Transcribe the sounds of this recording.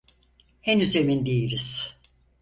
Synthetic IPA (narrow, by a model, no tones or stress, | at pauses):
henyze̞mind̪ejilʲiz̥